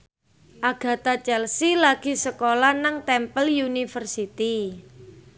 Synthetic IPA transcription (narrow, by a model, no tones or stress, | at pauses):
ʔaɡ̥a̤t̪at͡ʃɛlsilaɡ̥i̤səkolanaŋt̪ɛmpəljunifərsit̪i